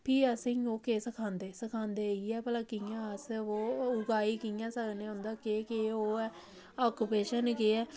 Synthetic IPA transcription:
pʰiːəsĩːoːkeːsəkʰãːnd̪eːsəkʰãːnd̪eːiːɛːpəlãːkĩjãːəsoːʊɡaːiːkijãːsəkneːʊ̃nd̪aːkeːkeːoːɛː | aːkupeːʃənkeːɛː

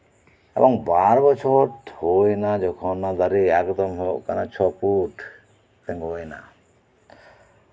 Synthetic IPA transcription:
ɛ̰bɔŋbaɾbɔt͡ʃʰɔʈhojnad͡ʒɔkʰɔnːad̪aɾiakd̪ɔmɦoʔkanat͡ʃʰɔpuʈ | t̪ɛŋojna̰

